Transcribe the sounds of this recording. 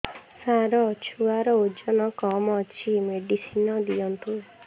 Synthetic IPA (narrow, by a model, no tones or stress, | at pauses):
saɾɔt͡ʃʰuaɾɔod͡ʒɔnɔkɔmɔt͡ʃʰimeɖisinɔd̪ijɔnt̪u